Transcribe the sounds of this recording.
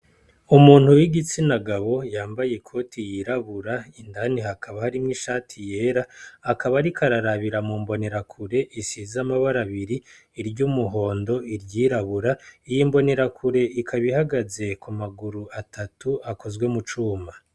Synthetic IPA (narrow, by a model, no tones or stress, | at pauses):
umuːn̥hujiɡit͡sinaɡaβo̞jaːmbajekʰo̞tʰijiɾaβuɾaindaniɦakʰaβahaɾimŋiːʃaːtʰije̞ːɾaːkaβaɾikʰaɾaɾaβiɾamuːmbo̞ne̞ɾakʰuɾe̞ʔisizamaβaɾaβiɾiː | ɾɟuːmuɦo̞ːndo̞iɾɟiːɾaβuɾaijiːmbo̞ne̞ɾakʰuɾe̞ʔikʰaβihaɡaze̞kumaɡuɾuatʰatuako̞zwe̞mut͡ʃuːma